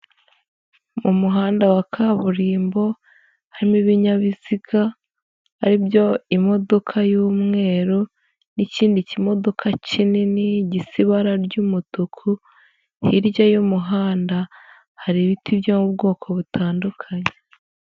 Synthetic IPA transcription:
mumuɦaːndawakʰaβuɾiːmbo̞ | haɾimiβiɲaβiz̥iɡa | haɾibjo̞imo̞do̞kʰajuːmŋe̞ːɾo | niciːndicimo̞do̞kʰacininiɟisiβaɾaɾɟumutukʰu | hiɾɟajumuɦaːnda | haɾiβitʰibjomubɡo̞ːkʰo̞βutʰaːndukʰaɲe

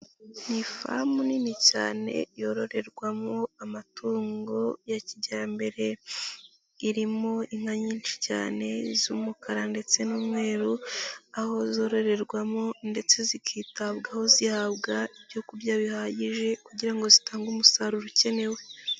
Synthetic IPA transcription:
nifa̰muninica̰ːne̞̰jo̞ɾo̞ɾe̞ɾɡwamoamatʰuːŋɡo̞jaciɟaɾambe̞ɾe̞ | iɾimo̞iŋ̥haɲiːnt͡ʃi̥ca̰ːne̞zumukaɾande̞t͡se̞nuːmŋe̞ːɾuaho̞zo̞ɾo̞ɾe̞ɾɡwamo̞nde̞t͡se̞zikʰiːtabɡaho̞zihabɡaibjo̞kuɾɟaβihaɟiʒe̞kuɟiɾaŋɡo̞zitaːŋɡumusaɾuɾuce̞ne̞we̞

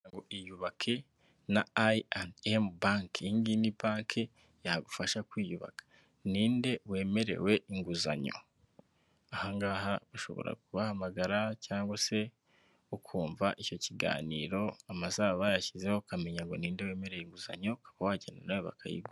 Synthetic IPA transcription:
ŋɡoʔijuβakʰe̞ | naaanembaːŋkiŋɡinibaːŋkʰe | jahaɡufaʃakwiːjuβa̰kḁ | niːnde̞we̞ːme̞ɾe̞̰we̞ʔiŋɡuza̰ɲo̞̰ | ahaŋɡaːɦaβuʃo̞̰βo̰ɾa̰kuβahamaɡaɾacaːŋɡwase̞ | ukʰuːɱvaʔico̞ciɡa̰ːniːɾo̞amasaβajaçizehokame̞ɲaŋɡo̞niːndewe̞ːme̞ɾe̞jeiŋɡuza̰ɲo̞kʰḁβawaɟenanawuβa̰kʰa̰jḭbɡu

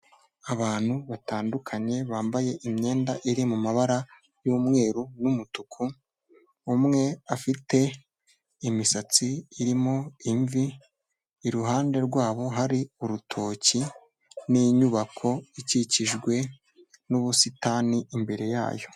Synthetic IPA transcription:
aβaːn̥huβataːndukʰaɲe̞βaːmbaje̞ʔimɲe̞ːndaʔiɾimumaβaɾa | juːmŋe̞ːɾunumutukʰuː | mŋe̞afite̞ | imisat͡siːɾimo̞iɱviː | ɾuɦaːnde̞ɾɡwaːβo̞ɦaɾiuɾutʰo̞ːci | niɲuβakʰo̞iciciʒɡwe̞ | nuβusitaːniʔimbe̞ɾe̞ja̰ːjo̞̥

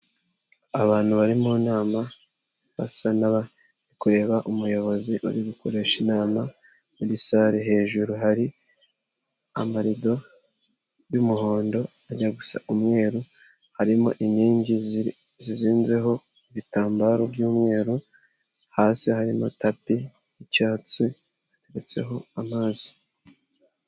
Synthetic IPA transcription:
aβaːn̥huβaɾimunaːma | βa̰sanaβa | nikuɾe̞ːβaʔumujo̞βo̞ziʔṵɾiβikoɾe̞ʃinaːma | muɾisaːɾeɦe̞ːʒuɾuɦaɾi | amaɾido̞ | jumuho̞ːndo̞ | aɲaɡusa̰ʔumŋe̞ːɾu | haɾimo̰ʔiɲiːɲɟi | ziziːnze̞ɦo̞ | iβitaːmbaɾobjuːmŋe̞ːɾu | haːsihaɾimo̰tapi | jicaːt͡si | ate̞ɾet͡se̞̰ɦo̞amaːzi̥

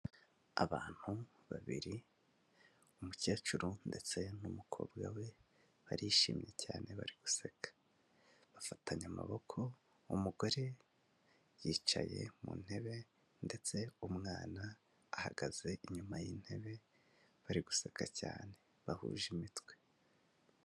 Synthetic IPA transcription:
a̰βaːn̥huβaβḭɾi | umucaːt͡ʃuɾunde̞t͡se̞numukʰo̞̰ːbɡawe̞ | βaɾiʃḭːmɲe̞caːnʔe̞βa̰ɾiɡ̥usekḁ | βafataɲama̰βo̞kʰo̞ | umuɡo̞ɾe̞ | jiːt͡ʃa̰je̞̰mṵːn̥he̞βe̞ | nde̞t͡se̞umŋaːnaː | haɡaze̞ʔiɲumajin̥he̞βe̞ | βaɾiɡusekacaːne̞ | βahṵːʒimitwe̞̥

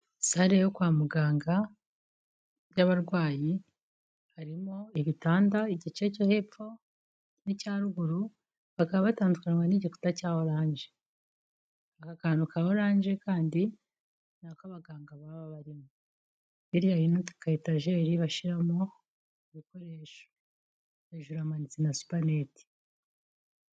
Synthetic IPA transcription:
saɾejokwaːmuɡaːŋɡa | bjaβaɾɡwaːji | haɾimo̞iβitaːndaiɟit͡ʃe̞cohe̞ːpp͡fo̞ | nicaːɾuɡuɾu | βakaβaβataːndukanwaniɟiku̥tacaːwoɾaːɲd͡ʒe̞ | βakakaːndukahoɾaːɲd͡ʒe̞kaːndi | naːkaβaɡaːŋɡaβaβaβaɾimo | iɾjaɾinotukaitaʒe̞ːɾiβaʃiɾamo | iβiko̞ɾe̞ːʃo̥ | βaʒuɾamanit͡senasu̥paneti̥

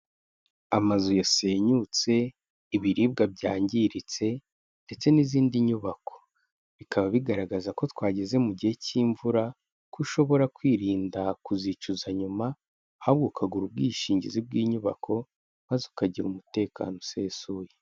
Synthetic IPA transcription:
amazujase̞ːɲut͡se̞ | iβiɾiːb̚ɡab̚ɟaːɲɟiɾit͡se̞ | nde̞t͡se̞niziːndiɲuβako̞̥ | βikʰaβaβiɡaɾaɡazako̞twaːɟeze̞muɟihe̞ciːɱvuɾa | kuʃo̞βo̞ɾakwiːɾiːndakuzit͡ʃuzaɲuma | haβɡukʰaɡuɾub̚ɡiːʃiːɲɟḭzib̚ɡiːɲuβa̰kʰo̞ | mazukaɟiɾumute̞ːka̰ːno̞se̞ːsuje

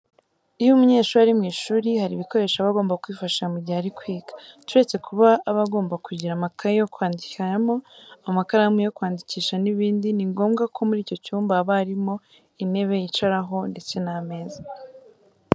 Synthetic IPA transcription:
ijumuɲe̞ːʃuaɾimŋiːʃuːɾihaɾiβiko̞ɾe̞ːʃaβaɡo̞ːmbakuiːfaʃamuɟiaɾikwiːɡḁtuɾe̞t͡se̞kʰuβaːβaɡo̞ːmbakuɟiɾamakʰajo̞kwaːndiaamo̞amakaɾamujo̞kwaːndiciːʃaniβiːndiniŋɡo̞ːmɡakʰo̞muɾiːco̞cuːmbaβaɾimo̞ | ine̞βe̞jit͡ʃaɾaɦo̞nde̞t͡se̞name̞ːza

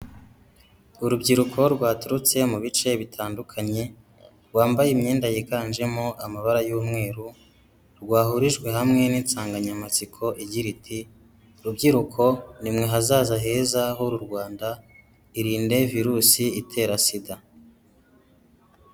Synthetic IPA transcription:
uɾubɟiɾukʰo̞ɾɡwaːtuɾut͡se̞muβit͡ʃe̞βitʰaːndukʰaɲe̞ | ɾɡwaːmbajemɲeːndajekaːnd͡ʒe̞moʔamaβaɾajuːmŋe̞ːɾu | ɾɡwaːhuɾiʒɡwe̞ɦamŋe̞niːnt͡saːŋɡaɲamat͡sikʰo̞ʔiɟiɾitʰi | ɾubɟiɾukʰo̞nimŋe̞ɦazaːzaɦe̞ːzaɦoɾuɾɡwaːnda | iɾiːnde̞viɾusiitʰe̞ːɾasida

